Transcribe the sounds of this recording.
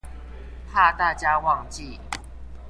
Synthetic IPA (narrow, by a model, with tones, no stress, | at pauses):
pʰa˥˧t̪a˥˩t͡ɕja˦wɑ˥˨ŋt͡ɕi˨